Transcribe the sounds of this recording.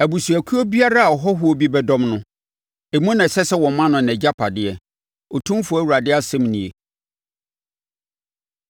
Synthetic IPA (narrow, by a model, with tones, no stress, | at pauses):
æ˨bu˨su˨æ˨kʰu˦o˦bi˦a˦ɾa˦a˨ɔ˨ɦɔ˦ɦʊ˦o˦bi˦bɛ˦dɔ̃˦mnʊ̃˦ | e˨mũ˦nã˨sɛ˦sɛ˦wɔ̃˨mːã˦nʊ̃˨n˨ɛ˨d͡ʑa˦pʰa˨dɪ˦ɛ˨ | o˨tʰũ˦m˦fʊ˨˦æ˦wu˨ɾa˨dɪ˦a˦sɛ̃˦mnĩ˨e˨